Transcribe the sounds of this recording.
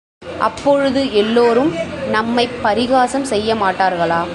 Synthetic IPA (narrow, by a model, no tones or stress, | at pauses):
ʔɐ̰pːɔɻɯðɯɛlːoːɾɯmnɐmːɐɪpːɐɾɪɣaːsɐmsɛjːɐmaːʈːaːɾɣɐɭaː